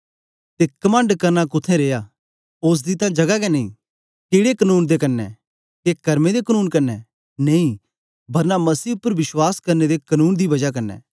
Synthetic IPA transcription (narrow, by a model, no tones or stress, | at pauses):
t̪ekɐmə̃ɳɖkɐɾnakʊt̪ʰẽɾeːja | oːs̬d̪it̪ãd͡ʒɐɡakɛnɐḭ̃ | keːɽekɐnuːnd̪ekɐnːɛ̰ | kekɐɾmẽd̪ekɐnuːnkɐnːɛ | nɐĩ | bʱɐɾnamɐsiːʊpːəɾʋɪswaːskɐɾned̪ekɐnuːnd̪ibɐd͡ʒak̬ɐnːɛ̰ː